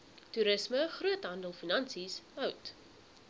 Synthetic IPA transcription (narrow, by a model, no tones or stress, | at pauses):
tuɾəsməχruətɦɐndəlˠfinɐnsisœwt